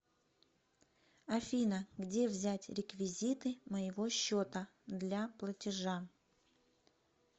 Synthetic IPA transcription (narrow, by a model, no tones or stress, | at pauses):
ɐfʲinəɡdʲe̞vzʲætʲɾʲɪkvʲɪzʲit̪ɨməjɪvo̞ɕːot̪ə | d̪lʲaplˠətʲɪʐa